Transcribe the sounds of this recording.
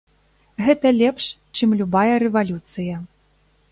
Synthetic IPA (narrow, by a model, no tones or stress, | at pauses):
ɣɛt̪ɐlʲɛpʂ | t͡ʂɨmlʲubajɐɾɛvalʲut̪sɨjɐ